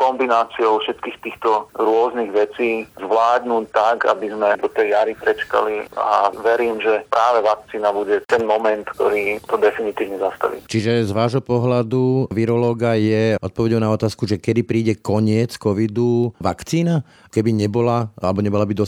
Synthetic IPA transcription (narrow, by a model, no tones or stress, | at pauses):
kɔmbinaːt͡siɔʊfʃɛt̪kiːxt̪iːxt̪ɔɾʊɔzniɣʋɛt͡siːzʋlaːd̪nuːt̪aka̰bizmɛd̪ɔt̪ɛjjaɾipɾɛt͡ʃka̰lia̰ʋɛɾiːmʒɛpɾaːʋɛʋak̚t͡siːnabuɟɛt̪ɛnmɔmɛnt̪k̚t̪ɔɾiːt̪ɔd̪ɛfinit̪iːʊɲɛzast̪a̰ʋḭt͡ʃiʒɛzʋaːʒɦɔpɔɦlad̪uʋiɾɔlɔːɡajɛʔɔt̪̚pɔʋɛɟɔʊnaɔt̪aːskuʒɛkɛd̪ipɾiːɟɛkɔɲɪɛt͡skɔʋid̪uʋakt͡siːna | kɛbiɲɛbɔlaalɛbɔɲɛbɔlabid̪ɔs